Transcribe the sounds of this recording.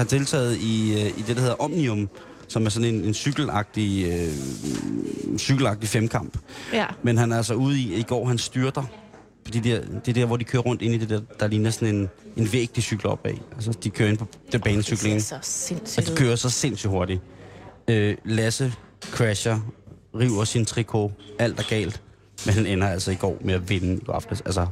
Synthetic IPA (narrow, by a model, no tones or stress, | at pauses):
hɑ̈t͡sʰe̝lt͡sʰɛ̰ːð̩ˠiid̥e̝d̥he̝ðˠɐʔɒ̽mniɔ̽m | sɒ̽mæɐs̬ɒ̽ne̝ne̝nsyɡ̥l̩ɑ̈ɡ̥̚d̥iø | syɡ̥l̩ɑ̈ɡ̥̚d̥ifemkʰɑ̈m̰b̥menɦænæælsɑuːð̞̩ˠiiɡ̥ɒ̰ːɦænsd̥yːɐd̥ɑ | fɒ̽d̥ḭːd̥eɐd̥e̝ɐd̥e̝ɐ̰ʋɒ̰dikʰøːɐʁɔ̽n̰d̥e̝n̰id̥e̝d̥eɐd̥ɑ̈liːnɐsɒ̽ne̝ne̝nʋeɡ̥̚d̥isyɡ̥l̩ɒ̽b̥ɛ̰ːæls̬əd̥ikʰøːɐe̝npʰɒ̽d̥eb̥ɛːnəsyɡ̥le̝ŋ | d̥ikʰøːɐsɒ̽se̝̰n̰syɦo̝ɐɾ̥i | ølæsəkʰʁæɕɐʁiʊ̰ɐsint͡sʰʁikʰo̝æl̰d̥æɐɡ̥ɛ̰ːld̥ | menhænenɐæl̰sɒiɡ̥ɒ̰ːmeæʋe̝nəɡ̥ɑ̈fd̥əsælsɐ